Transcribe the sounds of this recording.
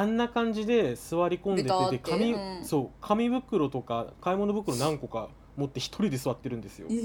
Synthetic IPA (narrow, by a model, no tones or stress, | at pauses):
ãnːakãɲ̟d͡ʑid̪e̞sɨβaɾʲikõ̞nd̪ekɯt̪ekamʲiso̞ːkʰamʲibɯ̟kɯ̟ɾo̞t̪o̞kakaimo̞no̞bɯ̟kɯ̟ɾo̞nãŋko̞ka | mo̞t̪ːe̞çi̥t̪ʰo̞ɾʲid̪e̞sɨβat̪ːe̞ɾɯ̟nd̪e̞sɨjo̞̰